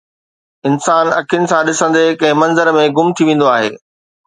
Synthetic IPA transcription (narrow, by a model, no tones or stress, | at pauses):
ɪnsaːnɐ̰kʰijʊnɪ̆sãɗɪsə̃nd̪ekɐ̃ɦɪ̃mɐ̃nzəɾmẽɡʊmt̪ʰiʋẽːn̆d̪oaːɦḛː